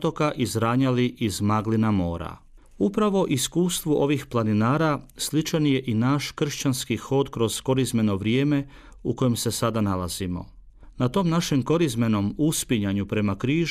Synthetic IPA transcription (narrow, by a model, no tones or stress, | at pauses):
t̪o̞kaʔizɾaːɲaliʔizmaɡlinamo̞ːɾa̰ | upɾaʋo̞ʔiskuːst̪ʋuʔo̞ʋixplˠaninaːɾaslit͡ʃanje̞ʔinaːʃkr̩ʃt͡ɕanskixo̞d̪kɾo̞z̥ko̞ɾizme̞no̞ʋɾjeːme | uko̞je̞msesad̪analaz̥imo̞̰ | nat̪o̞mnaʃe̞mko̞ɾizme̞no̞muspiɲaɲupɾe̞makɾiːʒ